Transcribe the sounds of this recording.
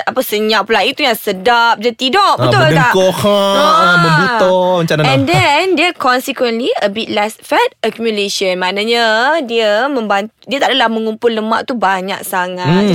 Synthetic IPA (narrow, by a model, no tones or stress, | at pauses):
apəsəɲãʔpəlaʔit̪ujaŋsədap̚dat̪idɔʔbbət̪ʊlt̪aʔkohabəbut̪ɔmat͡ʃanaɛ̃ndɛndəkɔnsikwənliəbit̚lɛsfɛt̚əkumjuleʃənmãnaɲadiəmə̃mbant̪udiət̪aʔdalahmə̃ŋumpʊləma̰ʔt̪ubaɲã̰ksaŋat̪